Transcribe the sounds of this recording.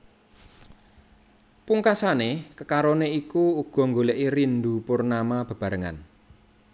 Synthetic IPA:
puŋkasanekəkaɾoneikuuɡ̥ɔ̤ŋɡoleʔiɾind̪upʊrnamab̥ə̤b̥a̤ɾəŋa̰n

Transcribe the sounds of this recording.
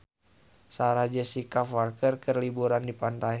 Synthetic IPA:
saɾad͡ʒəsikafarkərkərlibuɾandipant̪ai

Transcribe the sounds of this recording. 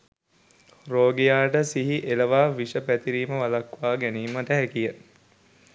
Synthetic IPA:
roːɡejaːʈəsiɦiʔeləʋaːʋiʂəpæt̪iɾiːməʋalɐkʋaːɡæniːməʈəɦækijə

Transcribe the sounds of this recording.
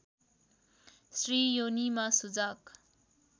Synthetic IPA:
srijonimasud͡zak

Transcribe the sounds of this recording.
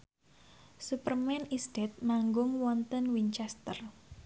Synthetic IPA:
supərmɛnisd̪̥ɛt̪̚maŋɡʊŋwɔnt̪ənwiɲt͡ʃɛst̪ər

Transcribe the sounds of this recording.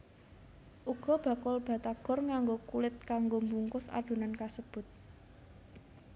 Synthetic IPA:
ʔuɡ̥ɔ̤b̥a̤kʊlb̥ä̤t̪aɡ̥ɔ̤rŋaŋɡokulɪt̪̚kaŋɡombuŋkʊsa̰ɖ̥o̤nankasəb̥ʊt̪̚

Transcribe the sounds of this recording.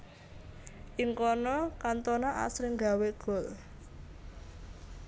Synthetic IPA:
ʔiŋkɔnɔkant̪ɔnaʔa̰sɾɪŋɡa̤weɡ̥ɔ̤l

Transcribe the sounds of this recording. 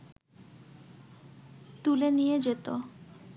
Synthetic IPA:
t̪ulenijed͡ʑet̪o

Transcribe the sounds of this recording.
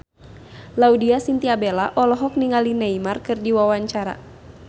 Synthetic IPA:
laudiasint̪iabelaʔɔlɔɦɔk̚niŋalinɛimarkɨrdiwawaɲt͡ʃaɾa̰

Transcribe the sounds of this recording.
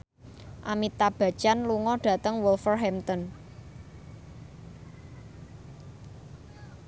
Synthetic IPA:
ʔamit̪ab̥ä̤̥t͡ʃanluŋɔɖ̥ä̤t̪əŋwulfərɦɛmt̪ɔn

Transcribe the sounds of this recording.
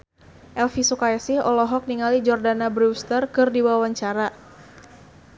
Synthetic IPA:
ʔɛlfisukajɛsihɔlɔɦɔk̚niŋalid͡ʒɔrdanabɾust̪ərkɨrdiwawaɲt͡ʃaɾa

